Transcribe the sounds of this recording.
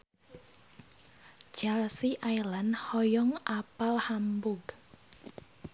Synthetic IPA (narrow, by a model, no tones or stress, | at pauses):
d͡ʒalsiʔajlanhɔjɔŋʔapalhambʊɡ